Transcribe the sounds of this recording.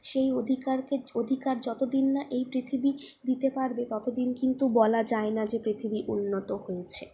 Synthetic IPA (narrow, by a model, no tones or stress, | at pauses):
ʃejod̪ʱikaɾkeod̪ʱikaɾd͡ʑɔt̪od̪inːaʔejpɾit̪ʰibid̪it̪epaɾbet̪ɔt̪od̪inkint̪ubɔlad͡ʑaenad͡ʑepɾit̪ʰibiʔunːot̪ohojet͡ɕʰe